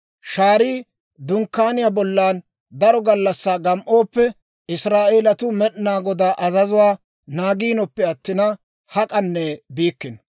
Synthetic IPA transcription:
ʃaːɾiː | d̪ʊŋkːaːnɪjabɔlːaːn | d̪ɐɾɔɡɐlːɐsːaːɡɐmʔo̞ːpːɛ | ɪsɾaːʔeːlɐt̪ʊmɛɗnaːɡɔd̪aːʔɐzɐzʊwaː | naːɡiːnɔpːɛɐt̪ːɪnɐ | hɐkʼɐnːɛbiːkːɪn

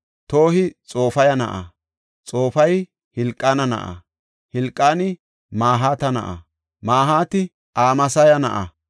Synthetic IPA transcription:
t̪oːhɪt͡sʼo̞ːfɐjɐnɐ̰ʔɐ̰ | t͡sʼo̞ːfɐj | hɪlkʼːanɐnɐ̰ʔɐ̰ | hɪlkʼːaːnɪ | maːɦaːt̪ɐnɐ̰ʔɐ̰ | maːɦaːt̪ɪ | ʔaːmɐsɐjɐnɐ̰ʔɐ

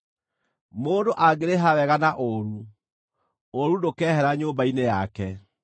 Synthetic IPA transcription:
moːndoʔaɡeɾeɦawɛɣanaʔoɾu | oɾunokɛːɦɛɾaɲoːmbainejakɛ

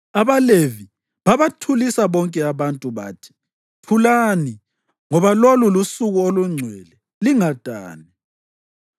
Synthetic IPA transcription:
aβalevi | βaβatʰulisaβɔŋkʼɛaβantʼuβaːtʰi̥ | tʰulani | ŋɔβalolulusuɣuoluŋ͡ǀʱwɛlɛ | liŋad̥ʱa̰ːni

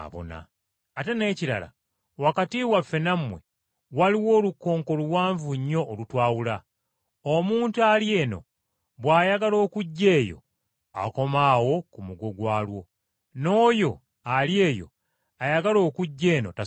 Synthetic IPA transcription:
βo̰na̰ː | te̞ne̞ːciɾa̰la̰ | wakatiwafːe̞namwe̞ | waliwo̞ːlukːo̞ːŋko̞luwaːɱvuɲːo̞ʔːlutwaːwula | omuːntualje̞ːno̞̰ | βwaːjaɡalo̞ːkuɟːe̞ːjo̞̰ | a̰ko̞maːwo̞kumuɡo̞ɡwaːlwo̞ | no̞ːjo̞ | alje̞ːjo̞̰ | ajaɡalo̞ːkuɟːe̞ːno̞̰ta

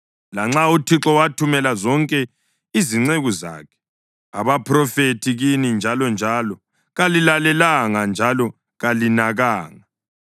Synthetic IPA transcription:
laŋ͡ǁautʰiǁɔwatʰumɛlazɔŋkʼɛ | iziŋ͡ǀeɣuza̰ːkʰɛ̥ | aβapʰrɔfetʰiɣinind͡ʒʱalɔnd͡ʒʱalɔ | ɣalilalɛlaŋand͡ʒʱalɔ | ɣalinaɣaːŋa

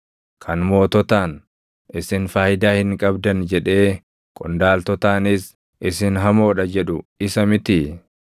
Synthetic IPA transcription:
kʰɐnmo̞ːt̪ɔt̪aːn | ʔɪsɪnfaːhɪd̪aːhɪŋkʼɐbd̪ɐnd͡ʒɛᶑe̞ː | kʼɔnd̪aːlt̪ɔt̪aːnɪs | ʔɪsɪnɦɐmo̞ːᶑɐd͡ʒɛᶑʊɪsɐmɪt̪ɪ

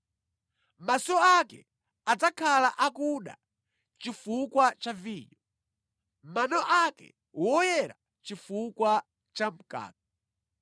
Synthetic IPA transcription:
masɔakɛ̰ | ad͡zakʰalaʔakuɗa̰ | t͡ʃifukwat͡ʃaviːɲɔ | manɔʔakɛ̰ | wɔjɛɾa | t͡ʃifukwa | t͡ʃam̩ka̰ːk̚a

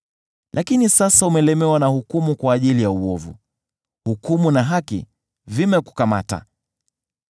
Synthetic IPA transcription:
lʔakinisasaumɛlɛmɛwanahukumukwaːʄilijauɔvṵ | hukumunaɦakḭ | vimɛku̥kama̰ta̰

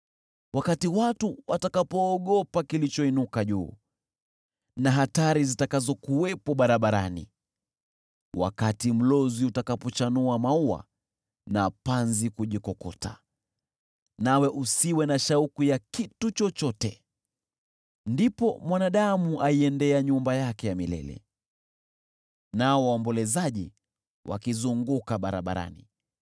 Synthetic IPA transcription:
wakatiwatuwatakapɔːɠɔpakilit͡ʃɔinukaʄṵː | naɦataɾizitakazɔkuwɛpɔɓaɾaɓaɾa̰nḭ | wa̰katim̩lɔziutakapɔt͡ʃanuamaua̰ | napanzikuʄikɔkɔ̰ta̰ | nawɛʔusiwɛnaʃaukujakitut͡ʃɔt͡ʃɔtɛ | ndipɔmwanaɗamuʔaiɛndɛaɲumbajakɛjamilɛ̰lɛ̰ | naɔwaɔmbɔlɛzaʄi | wʔa̰kizuŋɡukaɓaɾaɓaɾa̰nḭ

